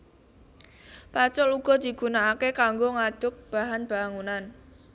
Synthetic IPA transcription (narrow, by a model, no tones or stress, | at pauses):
pat͡ʃʊluɡ̥ɔ̤d̪̥i̤ɡ̥ṳnaakekaŋɡoŋad̥ʊk̚b̥a̤ɦanb̥a̤ŋunan